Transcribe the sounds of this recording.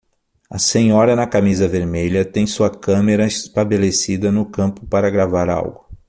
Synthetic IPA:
ɐ̰sẽɲɔɾɐnɐkamizɐveɾmeʎɐt̪ẽj̃suɐkɐ̃meɾɐɪst̪abelesid̪ɐnʊkɐ̃mpʊpaɾɐɡɾavaɾa̰wɡʊ

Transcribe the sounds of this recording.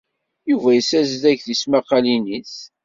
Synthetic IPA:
juvæjəsæzðæçðismæqːɑlinis

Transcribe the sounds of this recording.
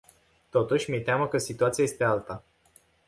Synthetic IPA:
t̪ot̪uʃmiet̪ʲaməkəsit̪uat̪sijajest̪ealt̪ə

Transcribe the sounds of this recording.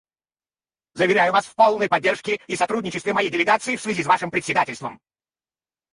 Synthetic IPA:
zəvʲɪɾʲæjʊvasfpolˠnəjpɐdʲːerʂkʲɪisɐt̪ɾudʲnʲɪt͡ɕɪst̪vʲɪmɐjejdʲɪlʲɪɡat̪sɨɪfsvʲɪzʲisvaʂɨmpɾʲɪt̪ʲsʲɪd̪atʲɪlʲst̪və̰m

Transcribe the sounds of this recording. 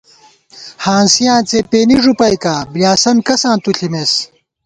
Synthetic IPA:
hãːnsijãːt͡sepeːniʐupɐjkaːbljaːsɐnkɐsãːt̪uɬʰimes

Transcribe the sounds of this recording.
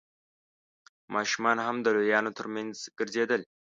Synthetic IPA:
mʔɑʃumɑnɦamd̪əlojɑnot̪ʰəɾmanzɡ̥əɾzed̪əl

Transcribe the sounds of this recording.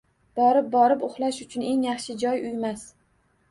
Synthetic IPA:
b̥ɒɾɪp̚bɒɾɪpʊχlˠaʃʊt͡ʃʰʊne̞ŋjɑχʃɪd͡ʒɒjʊjmas

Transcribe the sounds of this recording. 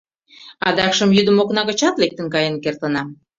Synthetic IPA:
ɑd̪ɑkʃəmjyd̪əmoknɑɣə̆t͡ɕɑt̪lek̚t̪ə̆nkɑjenkert̪ənɑm

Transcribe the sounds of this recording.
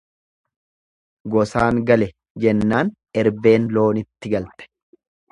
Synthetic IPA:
ɡɔsaːŋɡɐlɛ | d͡ʒɛnːaːn | ɛɾbe̞ːnlo̞ːnɪt̪ːɪɡɐlt̪ɛ̥

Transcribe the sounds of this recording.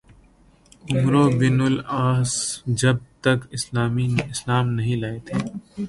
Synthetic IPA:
ʊmɾoːbɪːnʊlaːsd͡ʒɐb̚t̪ɐkɪslaːmiɪslaːmnɐɦĩlaːet̪ʰeː

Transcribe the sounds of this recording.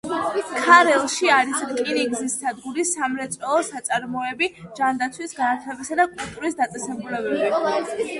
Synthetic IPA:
kʰaɾɛlˠʃiaɾisɾkʼiɾiɡzisːad̪ɡuɾisamɾɛt̪sʼɔlˠɔsat̪sʼaɾmɔɛbid͡ʒand̪at̪sʰwisɡant̪ʰɛbisad̪akʼulˠt̪ʼuɾisd̪at̪sʼɛsɛbulɛbɛbi

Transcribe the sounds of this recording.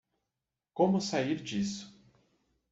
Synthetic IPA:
kõmʊsaiɾd͡ʒisʊ̥

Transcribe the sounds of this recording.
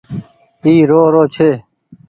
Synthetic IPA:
iːɾoːɾoːt͡ʃʰeː

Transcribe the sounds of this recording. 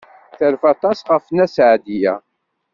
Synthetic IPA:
θəlfɑt̪ˤɑsʁəfnæsʕd̪ijæ̰

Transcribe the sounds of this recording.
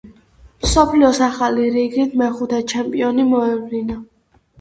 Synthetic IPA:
msɔpʰliɔsaχaliɾiɡit̪ʰmɛχut̪ʰɛt͡ʃʰɛmpʼiɔnimɔɛvlina

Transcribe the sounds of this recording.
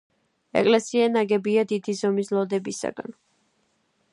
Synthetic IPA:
ɛ̰kʼlɛsianaɡɛbiad̪id̪izɔmislɔd̪ɛbisa̰ɡa̰n

